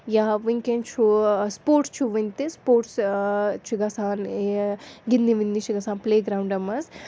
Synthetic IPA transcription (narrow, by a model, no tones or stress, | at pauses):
jaːʋiŋkent͡ʃʰuspoːɾʈst͡ʃʰuʋint̪ispoːɾʈst͡ʃʰiɡɐsaːneɡinːiʋind̪it͡ʃʰiɡɐsaːnpleːɡɾaːwɳɖɐmɐs